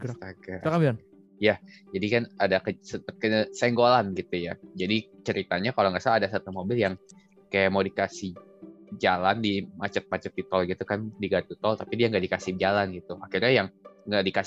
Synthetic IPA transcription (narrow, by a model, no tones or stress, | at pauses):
aɡaakabian | jad͡ʒadikanadakəsəp̪ət̪̚kəsɛŋɡolanɡit̪uja̰d͡ʒadit͡ʃəɾit̪aɲakaloŋɡaʔsaadasat̪umobɪljaŋ | kajamawdikasɪh | d͡ʒalandimat͡ʃət̪̚mat͡ʃət̪ːit̪ɔlɡit̪ukandiɡat̪it̪ɔlt̪apidiaŋɡaʔdikasɪhd͡ʒalanɡit̪uaxirɲajaŋŋɡaʔdika